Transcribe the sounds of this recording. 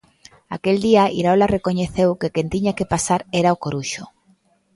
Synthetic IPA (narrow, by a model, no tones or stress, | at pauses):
a̰keld̪iaiɾaolarekoɲeθewkekent̪iɲakepasaɾeɾaokoɾuʃo